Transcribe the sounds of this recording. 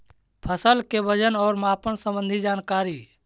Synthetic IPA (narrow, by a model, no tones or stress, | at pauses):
pʰəsəlkebəd͡ʒənɔːɾmaːpəɳsə̃mbə̃nd̪ʱid͡ʒaːnkaːɾi